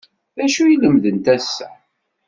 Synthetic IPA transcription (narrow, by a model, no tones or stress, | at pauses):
ðæʃujiləmðənt̪æsːæ